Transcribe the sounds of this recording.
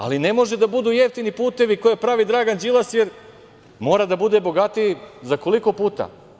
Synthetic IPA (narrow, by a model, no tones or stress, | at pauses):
a̰line̞mo̞ʒe̞d̪abud̪uːjeft̪inipuːt̪e̞ʋikojepɾaʋid̪ɾaːɡand͡ʑilˠasje̞ɾ | mo̞ːɾad̪abud̪e̞bo̞ɡat̪iizako̞liko̞puːt̪a̰